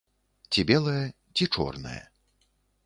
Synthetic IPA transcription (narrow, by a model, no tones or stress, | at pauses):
t͡sʲibʲɛlˠɐjɐ | t͡sʲit͡ʂɔ̰rnɐ̰jɐ̰